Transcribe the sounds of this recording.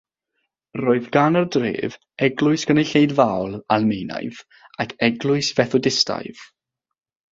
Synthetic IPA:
roːɨðɡanərdrḛːv | ɛɡlˠʊɨsɡ̥ənejɬejdvawlˠalˠmejna̰jv | akʰɛɡlˠʊɨsv̥ɛθʊdɪsta̰jv̥

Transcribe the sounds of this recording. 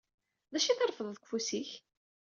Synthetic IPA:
ðæʃiθəɾˤfəðˤðkʷfusiç

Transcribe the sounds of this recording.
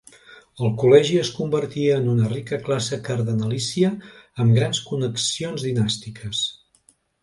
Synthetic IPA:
əlˠkulɛʒiəskumbəɾt̪iəːnunərikəklasəkəɾðənəlisiəːmɡɾanskunəksionzðinast̪ikʰəs

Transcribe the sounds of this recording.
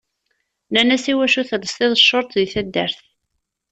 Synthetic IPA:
nænæsiwæʃuθələst̪eðˤəʃːoɾˤt̪ˤðiθæd̪ːə̰ɾθ

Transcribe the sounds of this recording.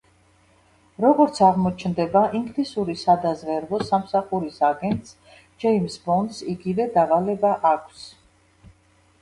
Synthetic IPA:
ɾɔɡɔɾt̪sʰaʁmɔt͡ʃʰnd̪ɛbaʔiŋɡlisuɾisad̪azʁɛɾvɔsamsaχuɾisaɡɛnt̪ʼs | d͡ʒɛimsbɔnd̪siɡivɛd̪avalɛbaʔakʰs

